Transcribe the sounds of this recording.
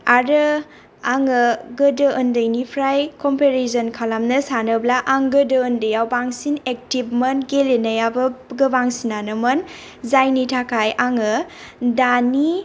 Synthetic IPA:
aɾɯ | aŋɯɡədəəndɯjnipʰɾajkɔmpeɾesənkʰalamnɐsanɯblaʔaŋɡədəːndɯjawbaŋsinek̚tib̚mənɡelenajabɯɡɯbaŋsinanɯmɐn | zajnitʰakʰajaŋɯdani

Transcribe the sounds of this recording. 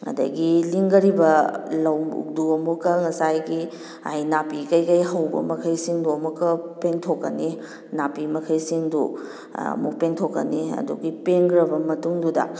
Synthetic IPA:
ŋɐ̰dɐ̰ɡiliŋɡɐɾibɐlɐwṵk̚duɐmukːɐŋɐsajɡi | a̰jnapikɐjkɐjɦɐwbɐ̰mɐkʰɐjsiŋduɐmukːɐpentʰokːɐni | napimɐkʰɐjsiŋdu | ɐ̰muk̚peŋtʰokːɐniɐ̰dṵɡipenɡɾɐbɐmɐtuŋdudɐ̰

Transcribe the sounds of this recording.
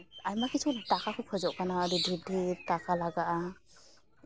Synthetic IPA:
ajmakisʰudakakʰukʰɔzɔʔkanadidʱibdʱitakʰalaɡaʔa

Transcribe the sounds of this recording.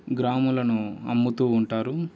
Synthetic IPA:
ɡɾaːmulɐnuɐmːut̪uːɳʈaːɾu

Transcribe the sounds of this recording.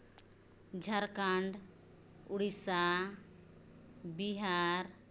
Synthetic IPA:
d͡ʒʱəɾkaɳɖ | uɽisa | biɦaɾ

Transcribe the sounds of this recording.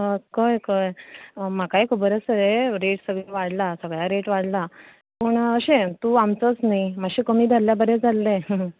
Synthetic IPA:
əkəjkəjməkaekʰubəɾəsəɾeɾeʈsəɡɭeʋaɽlasəɡɭjaɾeʈʋaɽla | pəːɳəɕet̪uamt͡sət͡snaimaɕekəmiːd̪ʱalːjabəɾed͡zʱalːeə

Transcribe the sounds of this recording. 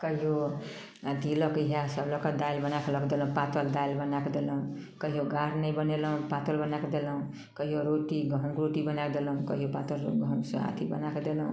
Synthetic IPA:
kʌɦijo | d̪ilokiɦasʌblɔkad̪ajlbʌnakolʌkd̪elʌ̃w̃pat̪ɔld̪ajlbʌnakod̪elʌw̃kʌɦijoɡaɾnʌjbʌnelʌw̃pat̪olbʌnakod̪elʌw̃ | kʌɦijoɾoʈiɡʌɦɡɾoʈibʌnakod̪elʌw̃kʌɦijopat̪olɡʌw̃ɡsʌ̰ɦa̰t̪ʰibʌ̰nakɔd̪elʌ̃w̃

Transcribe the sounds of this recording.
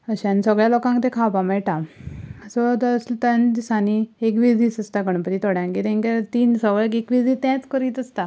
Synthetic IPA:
əɕãnisəɡɭjalokãŋkt̪ẽkʰapamɛɭʈa | sɔt̪əst̪and̪isaniekʋid͡zisəst̪akəɳpəɾit̪ʰoɽjãŋkit̪ẽŋkat̪iːnsəɡɭakekʋid͡z̪it̪ɛ̃t͡skəɾiːt̪əst̪a

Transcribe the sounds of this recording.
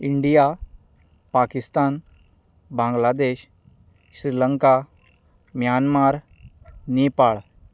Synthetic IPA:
iɳɖija | pakist̪an | bãŋɡlad̪eɕ | ɕɾiləŋka | mjanmaɾ | nipaɭ

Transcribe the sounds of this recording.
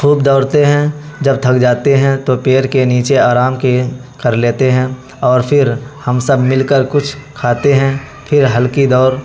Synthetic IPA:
kʰuːb̚d̪ɔːɾt̪eɦɛ̃d͡ʒɐb̚t̪ʰɐkd͡ʒaːt̪eɦɛ̃t̪opeːɾkeniːt͡ʃeaːɾaːmkekɐɾleːt̪eɦɛ̃ | ɔːɾpʰɪɾhɐmsəbmɪlkəɾkʊt͡ʃʰkʰaːt̪eɦɛ̃ | pʰɪɾɦɐlkid̪ɔːɾ

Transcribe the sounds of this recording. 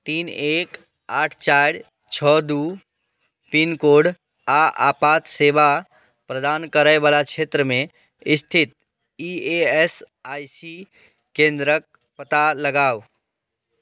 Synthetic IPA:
t̪iːnek | aʈʰt͡ʃaɾ | t͡ʃʰəd̪u | pinkoɖ | aʔapat̪seba | pɾəd̪ankəɾəɪbalat͡ʃʰet̪ɾəmẽ | ist̪ʰit̪̚ | iees | ajsi | kẽnd̪ɾək̚ | pət̪aləɡaːw

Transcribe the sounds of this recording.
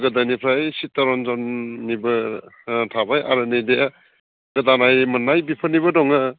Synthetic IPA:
ɡɯdanipʰɾajsitːaɾɔnzɔnːibɐ | tʰabajʔa̰ɾɯnijdea | ɡɯdanajmɐnːajbipʰɯniβɐdɔŋɯ

